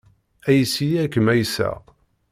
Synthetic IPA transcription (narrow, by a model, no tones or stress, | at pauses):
æjsijækːmæjsæ̰